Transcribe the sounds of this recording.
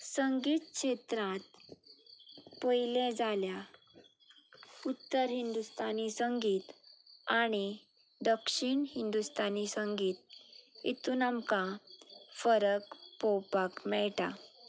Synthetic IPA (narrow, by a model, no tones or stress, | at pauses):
səŋɡiːt̪̚kɕet̪ɾãt̪̚ | pojlẽd͡zalja | ut̪ːəɾɦind̪ust̪anisəŋɡiːt̪aɽ̃i | d̪əkʂiɳhind̪ust̪anisəŋɡiːt̪̚ḭt̪unamkã | fəɾəkpowpakmɛɭʈa